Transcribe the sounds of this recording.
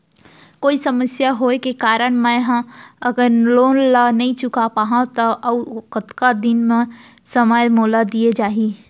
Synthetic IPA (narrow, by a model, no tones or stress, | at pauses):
koːisɐməsjaɦoekekaːɾəɽ̃mɛ̃ɦãɐɡəɾloːnlanɐɦĩt͡ʃʊkapaːɦãt̪ɔʔɐkət̪kad̪ɪnmẽ | səmaːjmoːlad̪ied͡ʒaːɦi